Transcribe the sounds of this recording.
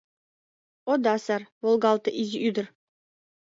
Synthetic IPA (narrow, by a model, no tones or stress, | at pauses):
od̪ɑsɑrvolˠɡɑlˠt̪ɤ̆ʔizʲiʔyd̪ɘ̆r